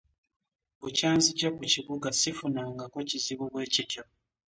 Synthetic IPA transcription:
βucaːnzicakuciβuɡasifunaːŋɡakociziβuβwe̞ːcitjo

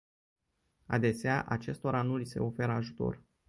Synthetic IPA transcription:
a̰d̪e̞seaʔat͡ʃe̞st̪o̞ɾanulise̞̰o̞fe̞ɾəaʒut̪o̞̰r

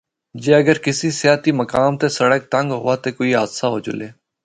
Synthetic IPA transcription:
d͡ʒeːəɡəɾkɪsiːsɪjaːt̪iːməkaːmt̪eːsəɽək̚t̪ə̃ŋɡɦʊaːt̪eːkoːiɦaːd̪saɦoːd͡ʒʊ̰leː

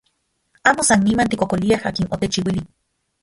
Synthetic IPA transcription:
aːmosanːimant̪ikokoliahaːkinʔot̪et͡ʃiwili

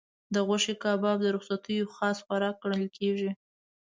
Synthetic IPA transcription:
d̪əɣaʃekɑbɑb̚d̪əɾʊxsat̪əjoxɑsxaɾɑkːɽəlkʰeʒi

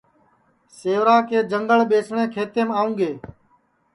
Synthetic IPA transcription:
seːʋɾaːkeːd͡ʒəŋɡəɭɓeːsɳẽːkʰeːt̪eːmaːũːɡeː

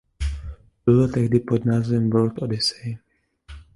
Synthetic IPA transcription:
bɪlot̪ɛɣdɪpod̪naːzɛmvɔɾt̪odɪsej

